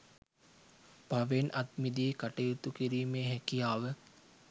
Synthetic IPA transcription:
b̥ʱaʋenʔɐt̪mid̪iːkaʈejut̪ukiɾiːmeːɦɛkijaːʋə

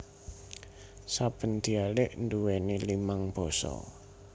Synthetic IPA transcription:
sab̥ə̤nd̪̥i̤alɪʔnduwenilimaŋb̥ɔ̤sɔ̰

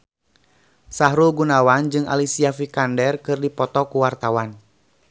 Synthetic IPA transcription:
saɦɾulɡunawand͡ʒɨŋa̰lisiafikandɛrkɨrdipɔt̪ɔkuwart̪awan

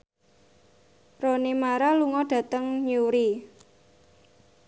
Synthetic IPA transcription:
ronimaɾaluŋɔɖ̥ä̤t̪əŋɲuɾi

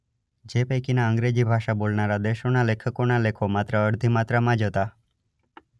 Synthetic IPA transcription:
d͡ʒepəjkinaəŋɡɾed͡ʒibʱaʃabolnaɾad̪eʃonalekʰəkonalekʰomat̪ɾəəɽd̪ʱimat̪ɾəmãd͡ʒɦət̪a

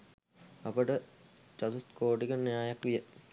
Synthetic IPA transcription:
ɐpəʈə | t͡ʃasut̪koːʈikənijaːjakʋijə

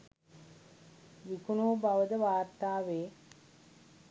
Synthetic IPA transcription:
ʋikunoːbaʋəd̪əʋaːɾt̪aːʋeː

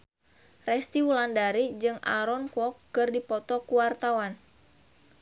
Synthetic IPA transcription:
rɛst̪iwulandaɾid͡ʒɨŋa̰ɾɔnkɔkːɨrdipɔt̪ɔkuwart̪awan

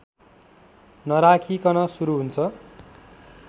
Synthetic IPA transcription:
nʌɾakʰikʌnʌsuɾuɦunt͡sʰʌ

